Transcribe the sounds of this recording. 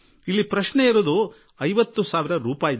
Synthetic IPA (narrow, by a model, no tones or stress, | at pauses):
ilːipɾɐʃɳeiɾuːd̪u | ɐjʋɐt̪ːusaːʋiɾɐɾuːpaːjid̪